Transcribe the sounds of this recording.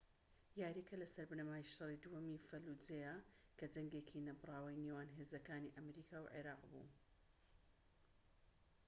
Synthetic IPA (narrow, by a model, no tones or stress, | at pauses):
jaːɾekɐlɐsɐɾbɨnɐmaːjiʃɑrˤid̪uhɐmifɐlud͡zejɐkɐdɐŋɡeːkʰinɐbɨrˤɑːwɐjnewaːnɦeːzɐkaːniʔɐmɾiːkʰaːwʕḛɾɑːqbṵ